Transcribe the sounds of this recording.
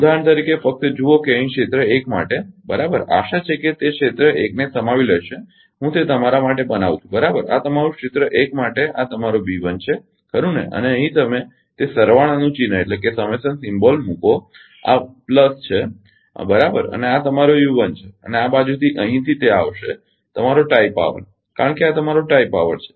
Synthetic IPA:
d̪ʱaɳt̪əɾikefək̚t̪əd͡ʒuokeə̃ɦĩkʂet̪ɾəekma̰ʈebəɾabəɾa̰ʃat͡ʃʰeket̪ekʃet̪ɾəeknesəmaʋiləʃe | ɦũt̪et̪əmaɾamaʈebənaʋt̪ʰũbəɾabəɾa̰t̪əmaɾũkʃɪt̪ɾəʔekmaʈeʔat̪əmaɾobiʋənt͡ʃʰe | kəɾũnḛʔə̰neəɦĩt̪əme | t̪esəɾʋaɽ̃anũt͡ʃinəeʈlekesəməjsənsɪmbolmũko | a̰pləst͡ʃʰe | bəɾabəɾə̰neat̪əmaɾojuʋənt͡ʃʰeə̰neabad͡ʒut̪ʰiʔəɦĩt̪ʰit̪eaʋʃe | t̪əmaɾoʈaipa̰ʋə̰ɾ | kaɾəɳkeat̪əmaɾoʈaipaʋəɾt͡ʃʰe̥

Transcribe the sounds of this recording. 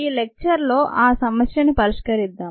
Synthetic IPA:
iːlek̚t͡ʃɐɾlo̞ːʔaːsɐmɐsjɐnipɐɾiʂkɐɾid̪ːaː

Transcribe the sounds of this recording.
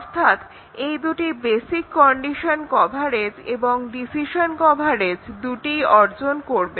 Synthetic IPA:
ɔɾt̪ʰat̪ | ejd̪uʈibesikːɔɳɖiʃonkɔbʱaɾed͡ʑḛboŋɖisiʃonkɔbʱaɾed͡ʑd̪uʈiɔɾd͡ʑonkoɾbe

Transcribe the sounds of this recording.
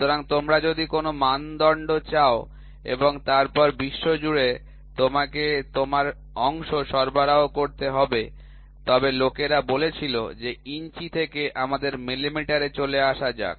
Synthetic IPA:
t̪oɾaŋt̪omɾad͡ʑod̪ikonomand̪ɔɳɖot͡ɕao | ḛboŋt̪aɾpɔɾbiʃːod͡ʑuɽe | t̪omaket̪omaɾ | ɔŋʃoʃɔɾbaɾaokoɾt̪eɦɔbe | t̪ɔbelokeɾabolet͡ɕʰilo̰d͡ʑeint͡ɕit̪ʰekeʔamad̪eɾmilimiʈaɾet͡ɕoleaʃad͡ʑa̰k̚

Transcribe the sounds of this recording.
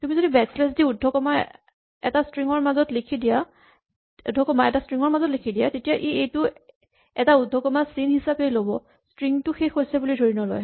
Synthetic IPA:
tumizodibɛkslɛs̬diudʱːɔkɔma | ɛ̰tastɹiŋɔɹmazɔtlekʰidija | udʱːɔkɔmaɛtastɹiŋɔɹmazɔtlikʰidijatetijaʔiejtʊ | ɛtaudʱːɔkɔmasinhisapejlobɔ | stɹiŋtʊxexʰojsɛbulidʱoɹinɔlɔ̰j

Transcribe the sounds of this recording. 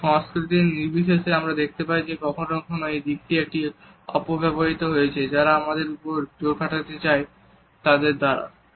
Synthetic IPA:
ʃɔ̃ŋskɾit̪̬iniɾbiʃeʃeamɾad̪ek̚ʰt̪epaid͡ʑekɔkʰonokʰonoejd̪ik̚ʈiek̚ʈi | ɔ̰pobɛboɾit̪oɦojet͡ɕʰed͡ʑaɾaamad̪eɾupoɾd͡ʑoɾkʰaʈat̪et͡ɕae | t̪ad̪eɾd̪aɾa̰

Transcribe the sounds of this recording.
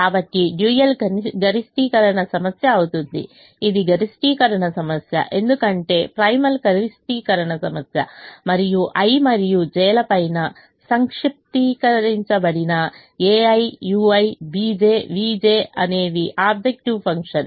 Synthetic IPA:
aːbɐʈːiɖjujɐlɐɡɐɾisʈikɐɾɐɳɐsɐmɐsjɐːʋut̪und̪ḭ | id̪iɡɐɾisʈiːkɐɾɐɳɐsɐmɐsjɐ̰ʔe̞nd̪ukɐɳʈe̞pɾɐjmɐlɡɐɾisʈiːkɐɾɐɳɐsɐmɐsjɐ̰mɐɾijuʔɐjmɐɾijud͡ʒɛːlɐpɐjnɐ | sɐŋkʂip̚t̪iːkɐɾiɲt͡ʃɐbɐɽinɐ | eːɐjjuːɐjbiːd͡ʒeːʋiːd͡ʒeːɐ̰neːʋ̪iʔaːb̚d͡ʒek̚ʈiʋpʰɐŋkʂɐn

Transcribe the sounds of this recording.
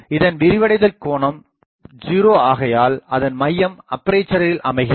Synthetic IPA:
ɪðɐnʋɪɾɪʋɐɽɐɪðɐlkoːɳɐm | d͡ʒiːɾoːaːɣɐjaːlɐðɐnmɐjːɐmɐpːɐɾeːt͡ʃːɐɾɐɾɪlʔɐmɐɪɣɪ

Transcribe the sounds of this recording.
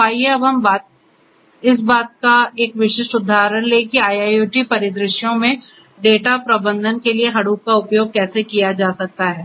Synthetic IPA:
aːieɐbɦɐmbaːt̪̚ | ɪs̬baːt̪̚kaeːkʋɪʃɪʃʈʊd̪ʱːaːɦɾənleːkiaːjaːjuːʈipɐɾɪd̪ɾɪʃjõmẽ | ɖeːʈapɾɐbə̃nd̪ʱənkelieɦɐɽuːk̚kaʊpjoːɡ̚kɛːsekijad͡ʒaːsɐk̚t̪aɦɛː

